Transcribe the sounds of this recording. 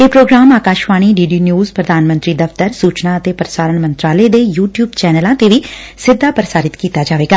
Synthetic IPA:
eːpɾoːɡɾaːmaːkaːʃʋaːɽ̃iːɖiːɖiːnjuːzpɾəd̪ʱaːnmə̃nt̪ɾiːd̪əft̪əɾsuːt͡ʃnãːət̪eːpəɾsaːɾəɳmə̃nt̪ɾaːləeːd̪eːjuːʈjuːbt͡ʃɛːnəlãːt̪eːʋiː | sɪd̪ʱːaːpəɾəsaːɾɪt̪kiːt̪aːd͡ʒaːʋeːɡaː

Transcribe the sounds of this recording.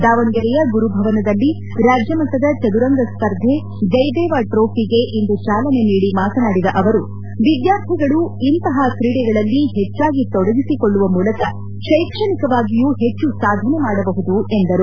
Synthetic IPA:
d̪aːʋɐŋɡɐɾɛjɐɡuɾubʱɐʋɐnɐd̪ɐlːi | ɾaːd͡ʒjɐmɐnt̪ɐd̪ɐt͡ʃɐd̪uɾɐŋɡɐspɐɾd̪ʱe | d͡ʒɐjd̪ɛːʋaʈɾoːpʰiɡe̞ʔind̪ut͡ʃaːlɐne̞niːɽimaːt̪ɐnaːɽid̪ɐʔɐʋɐɾu | ʋid̪jaːɾt̪ʰiɡɐɭuint̪ɐɦɐkɾiːɽɛɡɐɭɐlːiɦet͡ʃːaːɡit̪ɔɽɐɡ̪isikoɭːuʋɐmuːlɐkɐ | ʃɐjkʂɐɳikɐʋaːɡijuːɦe̞t͡ʃːusaːd̪ʱɐnemaːɽɐbɐɦud̪ue̞nd̪ɐɾu

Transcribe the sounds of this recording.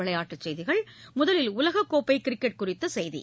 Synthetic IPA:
ɪɭɐjaːʈːɯt͡ʃːɛjðɪɣɐɭmʊðɐlɪlʊlɐɣɐkːoːpːɐɪkɪɾɪkːɛʈ̚kʊrɪt̪ːɐsɛjðḭ

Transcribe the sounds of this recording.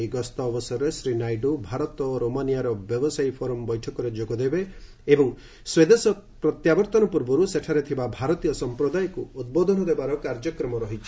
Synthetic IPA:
iɡɔst̪ɔːbɔsɔɾɾesɾinajɖubʱaɾɔt̪ɔɾomanijaɾɔbjɔbɔsajpʰɔɾɔmbɔjʈʰɔkɔɾed͡ʒoɡɔd̪ebeː | bɔŋ | swed̪esɔpɾɔt̪jabɔɾt̪ɔnɔpuɾbɔɾuseʈʰaɾet̪ʰibabʱaɾɔt̪ijɔsɔmpɾɔd̪ajkuud̪̚bod̪ʱɔnɔd̪ebaɾɔkaɾd͡ʒɔkɾɔmɔɾɔɦit͡ʃʰi̥

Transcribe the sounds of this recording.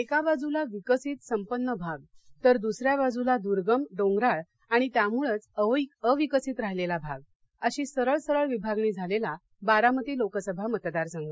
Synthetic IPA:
ekabad͡zulaʋikəsiːt̪səmpənːəbʱaɡ̚t̪əɾd̪usɾjabad͡zulad̪uɾɡəmɖõŋɡɾaɭ | aɽ̃it̪jamuɭət͡səʋikəʋikəsiːt̪ɾaɦlelabʱaɡ̚ | əɕiːsəɾəɭsəɾəɭʋibʱaɡniːd͡zʱalela | baɾamət̪ːilokəsəbʱamət̪d̪aɾsəŋɡə

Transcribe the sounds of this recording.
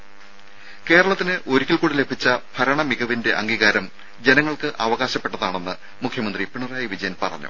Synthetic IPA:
ke̞ːɾɐɭɐt̪ːinɨʔo̞ɾukʲːilkuːɽile̞bʱit͡ɕːɐpʰɐɾɐɳɐmiɣɐʋinde̞ʔɐŋɡiːɣaːɾɐm | d͡ʑe̞nɐŋːɐɭkɨʔɐʋɐɣaːɕɐpːe̞ʈːɐðaːɳe̞nːɨ | mukʰjɐmɐnd̪ripiɳɐraːjɐʋid͡ʑɐjɐnpɐrɐ̰ɲːṵ

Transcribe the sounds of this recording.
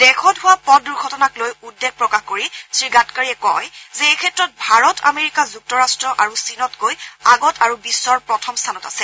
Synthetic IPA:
dɛkʰɔtɦʊwapɔduɹɡʱɔtɔnaklojudːeɡ̚pɹɔkaxkoɹisɹiɡatkaɹiɛkɔjzɛejkʰɛtɹɔt̚bʱaɹɔtʰa̰meɹikazuk̚tɔɹastɹɔʔaɹusinɔtkojaɡɔtʰaɹubisːɔɹpɹɔtʰɔmstʰanɔtasɛ

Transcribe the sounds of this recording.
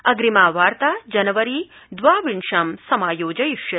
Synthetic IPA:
ɐɡɾimaːʋaːɾt̪aːd͡ʒɐnɐʋɐɾi | d̪ʋaːʋiɳʃaːmsɐmaːjoːd͡ʒɐjiʂjɐ

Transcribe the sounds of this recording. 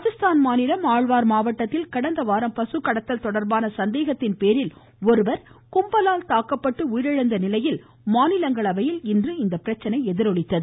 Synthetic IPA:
ɐðɪst̪aːnmaːnɪlɐmaːɻʋaːɾmaːʋɐʈːɐt̪ːɪlkɐɽɐnd̪ɐʋaːɾɐmpɐsɯkːɐɽɐt̪ːɐlt̪ɔɽɐɾbaːnɐsɐnd̪eːɣɐt̪ːɪnpeːɾɪl | ɔɾɯʋɐɾ | kʊmbɐlaːlt̪aːkɐpːɐʈːɯʊjɪɾɐɻɐnd̪ɐnɪlɐjɪl | maːnɪlɐŋɡɐɭɐʋɐjɪlɪndrɯɪnd̪ɐpːɪɾɐt͡ʃːɐnɐɪɛðɪɾɔɭɪt̪ːɐðɯ

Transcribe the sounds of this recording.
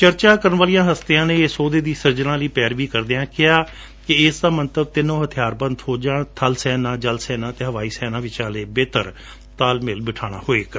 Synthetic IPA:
t͡ʃəɾt͡ʃaːkəɾənʋaːlijãːɦəst̪ejãːnẽːsoːd̪eːd̪iːsəɾd͡ʒnãːləiːpɛːɾʋiːkəɾd̪eːãːkɪaː | kɪɪsd̪aːmənt̪əb̚t̪ɪnõːɦət̪ʰɪjaːɾbə̃nd̪hoːd͡ʒãːt̪ʰəlsɛːnãːd͡ʒəlsɛːnãːt̪eːɦəʋaːiːsɛːnãːʋɪt͡ʃãːleːbeːt̪əɾ | t̪aːlmɪlbɪʈʰaːɽ̃a̰ːhoːeːk

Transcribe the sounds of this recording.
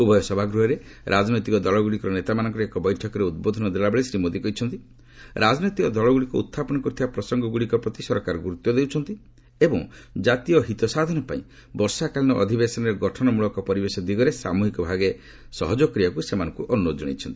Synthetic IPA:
ubʱɔjɔsɔbʱaɡɾuɦɔɾeɾʔad͡ʒnɔjt̪ikɔd̪ɔlɔɡuɭikɔɾɔnet̪amanɔŋkɔɾekɔbɔjʈʰɔkɔɾeud̪̚bod̪ʱɔnɔd̪elabeɭesɾimod̪ikɔit͡ʃʰɔnt̪i | ɾad͡ʒɔnit̪ikɔd̪ɔɭɔɡuɭikɔṵt̪ʰːapɔnɔkut̪ʰibapɾɔsɔŋɡɔɡuɭikɔpɾɔt̪isɔɾkaɾɔɡuɾut̪jɔd̪ewt͡ʃʰɔnt̪i | ebɔŋd͡ʒat̪ijɔɦit̪ɔsad̪ʱɔnɔpãḭ̃ | bɔɾsakalinɔʔɔ̰d̪ʱibesɔnɔɾeɡɔʈʰɔnɔmuɭɔkɔpɔɾibesɔd̪iɡɔɾesa̰muɦikɔbʱaɡe | sɔɦɔd͡ʒɔkɾiakusemanɔŋkuʔɔnːod͡ʒɔɽ̃ḭt͡ʃʰɔnt̪i̥

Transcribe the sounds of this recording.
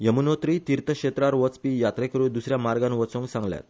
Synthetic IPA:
jəmunot̪ɾiːt̪iɾt̪əkɕet̪ɾaɾʋət͡spijat̪ɾekəɾuːd̪usɾjamaɾɡãnʋət͡sõŋɡsãŋɡlja̰t̪

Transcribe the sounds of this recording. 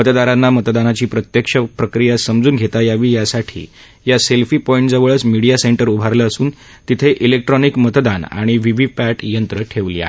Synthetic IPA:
mət̪d̪aɾanːamət̪d̪anat͡ɕiːpɾət̪jəkʂəpɾəkɾijasəmd͡zuːnɡʱet̪ajaʋiːjasaʈʰḭː | jaselfiːpɔĩɳʈd͡zəʋəɭət͡smiɽijaseɳʈəɾubʱaɾləəsuːn | t̪it̪ʰeʔilek̚ʈɾɔnikmət̪d̪ana̰ɽ̃iʋiʋifæʈjənt̪ɾəʈʰeʋlḭːa̰ɦe

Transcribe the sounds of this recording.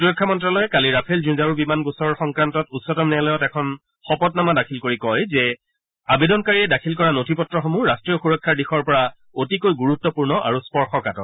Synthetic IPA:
tɹɔkʰːamɔntɹalɔjɛkaliɹapʰelzuzaɹubimanɡusɔɹɔɹxɔŋkɹantɔtutsɔtɔmnɛlɔjɔtɛkʰɔn | xɔpɔtnamadakʰilkoɹikɔjzɛ | abedɔnkaɹiɛdakʰilkɔɹanotʰipɔtɹɔxomuɹastɹijɔxuɹɔkʰːaɹdixɔɹpɔɹa | otikojɡuɹutːɔpuɹnɔʔa̰ɹuspɔɹxɔkatɔ̰

